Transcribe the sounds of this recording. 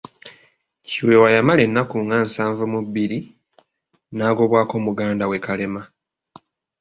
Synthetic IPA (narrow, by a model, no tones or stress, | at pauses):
ciwewajamale̞nːakuŋɡaːnsaːɱvumuβːiɾi | naːɡo̞βwaːko̞ːmuɡaːndawe̞kale̞ma